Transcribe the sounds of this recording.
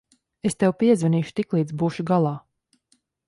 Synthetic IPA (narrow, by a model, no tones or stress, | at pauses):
est̪ɛwpiɛzvɛniːʃu̥t̪iklˠiːd̪zbuːʃuɡalˠaː